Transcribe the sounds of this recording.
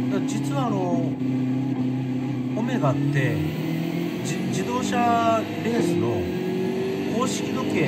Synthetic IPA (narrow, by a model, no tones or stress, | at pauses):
ed͡ʑit͡sɯaɾo | omeɡat̪ːe | d͡ʑid̪oɕa | besɯɾo | kuoɕikʲid̪oke